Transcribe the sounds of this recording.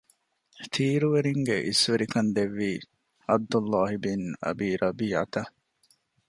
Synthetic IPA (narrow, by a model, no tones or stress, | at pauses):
t̪ʰiːɾuʋeɾiŋɡeʔisʋeɾikɐnd̪eʋːiː | ɐb̚d̪ulːaːɦibinɐ̰biːɾʔɐbiːʕa̰t̪ɐ